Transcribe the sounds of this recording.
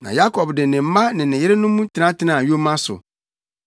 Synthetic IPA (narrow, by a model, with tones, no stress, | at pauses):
nã̰˨ja˦kʰɔ˨bdɪ˨nɪ̃˨m̩˦mã˦nɪ̃˨nɪ̃˨jɪ˦ɾe˦nʊ̃˦mũ˦tʰɪ˦nã˦tʰɪ˦nã˨jo˦mã˦sʊ̰˨